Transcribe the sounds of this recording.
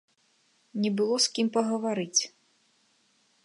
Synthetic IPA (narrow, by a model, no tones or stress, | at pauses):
nʲɛbɨlˠɔskʲimpɐɣɐvaɾɨt͡sʲ